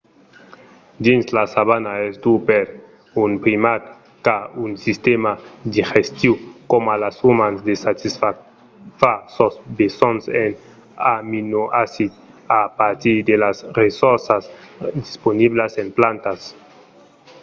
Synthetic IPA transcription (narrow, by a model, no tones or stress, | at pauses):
d̪inslasaβanaezd̪upeɾ | unpɾimat̪ | kaunsist̪emad̪ixest̪jukomalasumanzd̪esat̪isa | fasosbesonsen | aminoʔasit̪apaɾt̪iɾd̪elasresoɾsasd̪isponiβlasemplant̪as